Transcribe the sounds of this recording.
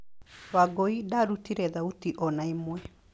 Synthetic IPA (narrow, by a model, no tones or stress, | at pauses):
waɡoidaɾutiɾɛðautiʔɔnaimwɛ